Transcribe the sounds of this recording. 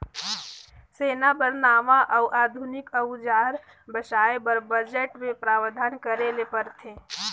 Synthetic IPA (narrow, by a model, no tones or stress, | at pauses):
seːnabəɾnaːmaʔɔʊʔaːd̪ʱʊnɪkəd͡ʒaːɾ | bəʃaːebəɾbəd͡ʒeʈmẽpɾaːwd̪ʱaːnkəɾelepəɾt̪ʰe